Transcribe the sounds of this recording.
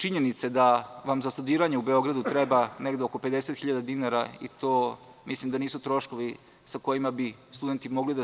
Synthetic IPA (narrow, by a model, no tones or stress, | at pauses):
t͡ʃiɲenit̪sed̪aʋamzast̪ud̪iːɾaɲeubeo̞ɡɾad̪ut̪ɾɛbaneɡd̪eoko̞ped̪eset̪xiʎad̪ad̪inaɾaḭt̪oː | mʔislˠimd̪aniːsut̪ɾo̞ʃkoʋi | sako̞jimabi | st̪ud̪e̞nt̪imo̞ɡlid̪a